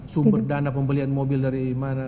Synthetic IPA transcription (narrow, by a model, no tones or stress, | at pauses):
sumbərdanapəmbəlianmobɪldaɾimana